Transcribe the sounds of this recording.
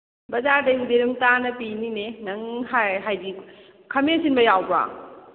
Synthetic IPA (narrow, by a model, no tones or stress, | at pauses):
bɐzaɾdɐhudeɾumtanɐpininenɐŋɦaɦajdi | kʰɐmesinbɐjawba̰